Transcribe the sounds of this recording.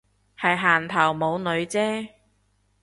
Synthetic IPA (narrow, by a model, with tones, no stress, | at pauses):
hɐ˨jɦaː˨˩nt̪ʰɐ˨˩wmo˨˧wnɵ˨˧ɥt͡sɛː˥